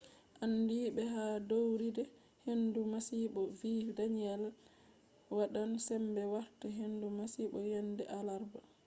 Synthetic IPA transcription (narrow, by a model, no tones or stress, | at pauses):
ʔandiːɓɛɦadowɾidɛ | hendumasiɓɔviːdaniɛl | waɗansɛmbɛwaɾtaɦendumasiɓɔjɛndɛʔalaɾba